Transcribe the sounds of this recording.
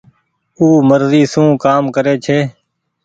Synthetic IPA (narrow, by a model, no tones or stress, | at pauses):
uːməɾziːsũːkaːmkəɾeːt͡ʃʰeː